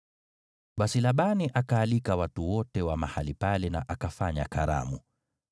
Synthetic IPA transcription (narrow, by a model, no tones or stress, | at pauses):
ɓasilaɓaniʔakaːlikawatuwɔtɛwamahalipalɛna̰ʔakafaɲa̰kaɾa̰mu